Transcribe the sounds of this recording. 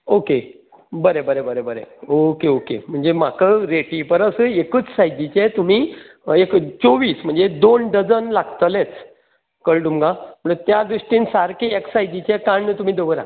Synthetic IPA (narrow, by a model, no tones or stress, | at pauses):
oke | bəɾebəɾebəɾebəɾḛokeokḛm̤əɳd͡zemakəɾeʈipəɾəsəekəːt͡ssajd̪it͡ɕet̪um̤i | ekt͡soʋiːsm̤əɳd͡zed̪onɖəd͡zənlaɡt̪əlet͡s | kəɭʈumɡãm̤əɳt̪jad̪ɾiʂʈiːnsaɾkʰeeksajd̪it͡ɕekãɳːət̪um̤iːd̪oʋəɾa̰